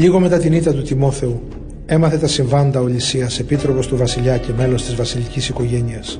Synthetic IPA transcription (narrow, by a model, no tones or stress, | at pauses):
ʎiɣo̞me̞t̪ɐt̪init̪ɐt̪ut̪imo̞θe̞u | e̞mɐθe̞t̪ɐsiɱvɐnd̪ɐoʎisiɐse̞pit̪ɾo̞po̞st̪uvɐsiʎɐce̞me̞lo̞st̪izvɐsilicisiko̞ʝe̞niɐs